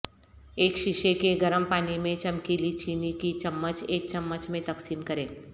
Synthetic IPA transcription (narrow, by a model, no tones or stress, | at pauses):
eːkʃɪʃekeɡɐɾəmpaːnimẽt͡ʃɐmkiːlit͡ʃiːnikit͡ʃɐmːət͡ʃeːk̚t͡ʃɐmːət͡ʃmẽt̪ɐksiːmkɐɾẽː